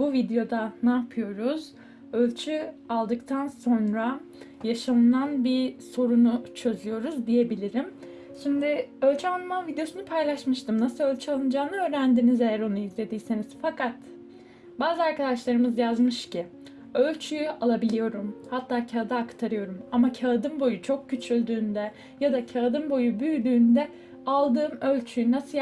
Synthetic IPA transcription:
buvid̪ejo̞d̪anaːpʰɯjo̞ɾuz̥ | ø̞lʲt͡ʃʰyalˠd̪ɯkt̪ʰanso̞nɾa | jaʃamɯnanbiso̞ɾunut͡ʃʰø̞zlʲyjo̞ɾuzd̪ije̞bilʲiɾim | ʃimd̪ɪø̞lʲt͡ʃʰyalˠmanvid̪ejo̞sunɯpʰajlˠaʃmɯʃt̪ʰɯmnasɯlˠø̞lʲt͡ʃʰyalˠɯnɯd͡ʒaːmnɯø̞ːɾænd̪inizejæɾo̞nuizlʲe̞d̪iːseniz̥fakʰat̪ | baːzɯaɾkad̪aʃlˠaɾɯmɯzjazmɯʃci | ø̞lʲt͡ʃʰyjyalˠabilʲijo̞ɾumhat̪ʰːaːcʰad̪aːkt̪ʰaɾɯjo̞ɾumamacʰaːd̪ɯmbo̞jut͡ʃʰo̞k̚cyt͡ʃʰylʲd̪yːnd̪ɛ | jad̪acʰaːd̪ɯnbo̞jubyjd̪yːnd̪ɛ | alˠd̪ɯːmø̞lʲt͡ʃʰyjynasɯ

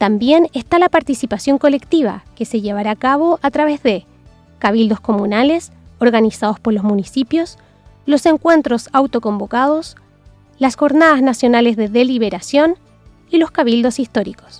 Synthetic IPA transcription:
t̪ambje̞nest̪alapaɾt̪isipasjo̞ŋko̞le̞kt̪iβ̞a̰ke̞se̞ʝe̞βaɾaːkaβoʔat̪ɾaβe̞zðe̞ | kaβild̪o̞sko̞mũnales | oɾɣanisaðo̞spo̞ɾlo̞zmunisipjo̞s | lo̞se̞ŋkwe̞nt̪ɾo̞sawt̪o̞ko̞mbo̞kaðos | lasxo̞ɾnaðaznasjo̞nale̞zðe̞ðe̞liβ̞e̞ɾasjo̞n | ilo̞skaβ̞ild̪o̞sist̪o̞ɾiko̥s

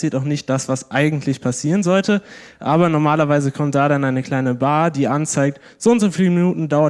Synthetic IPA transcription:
siːɐtaʊxnɪçt̚d̥asv̥asʔaɪɡŋ̩tʰlɪçpʰasiːʁənzɔltəʔaːbɐnɔʁmaːlɐvaɪzəkʰɔmt̚d̥aːɾanʔaɪnəkl̥aɪnəbaːdiːʔant͡saɪk̚t | z̥oʊntz̥oːfiːləminuːtn̩daʊɐ

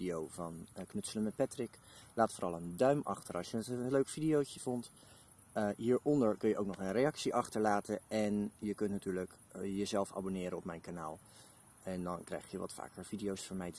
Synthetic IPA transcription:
diowvɑnknɵtsələmɛt̚pɛtrɪklaːtfoːɾɑlˠəndœɥmɑχtəɹɑlˠʃjəətəløɥkfidijowcəv̥ɔnt | əɦiːɹʔɔndəɹkɵnjəʔowknɔχənrejɑksiʔɑχtəɹlaːtəɛnjəkɵntnatyːɹlək | jəzɛlˠfa̰ːbonɪːɾəɔpmɛjnkanaːlˠ | ɛndɑnkrɛ̰jχjəʋɑ̰tfa̰ːkəɹvidiowsfəɹmɛjt

